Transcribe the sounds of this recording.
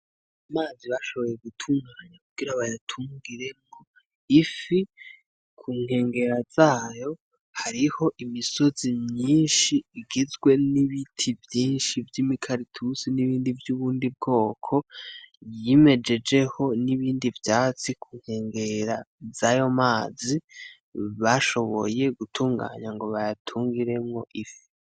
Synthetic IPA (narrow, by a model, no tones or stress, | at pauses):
amaːziβaʃo̞βo̞jeɡutʰuːŋɡaɾaɲakuɡ̥iɾaβajatʰuːŋɡiɾe̞mɡo̞ | ifi | kʰuːŋhe̞ːŋɡe̞ɾazaːjo̞ | haɾiho̞ʔimiso̞zimɲiːnʃiːɡizɡwe̞niβitʰivjiːnʃivjimikʰaɾitʰusiniβiːndivjuːβuːndib̚ɡo̞ːkʰo̞jime̞d͡ʒe̞d͡ʒe̞ho̞niβiːndivjaːt͡sikʰuːŋhe̞ːŋɡe̞ɾazajo̞maːzi | βaʃo̞βo̞̰je̞ɡutʰuːŋɡa̰ːɲaŋɡo̞βajatʰuːŋɡiɾe̞mŋo̞ʔifi̥